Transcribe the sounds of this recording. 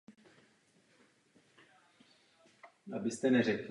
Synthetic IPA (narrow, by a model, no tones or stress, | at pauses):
ʔabɪst̪ɛnɛrɛk